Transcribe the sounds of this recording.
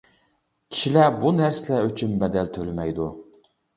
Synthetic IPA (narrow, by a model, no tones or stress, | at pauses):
kʲʰi̥ʃilæbunæɾsɪlɛøt͡ʃʰymbɛd̪ɛlt̪ʰølɪmɛjd̪u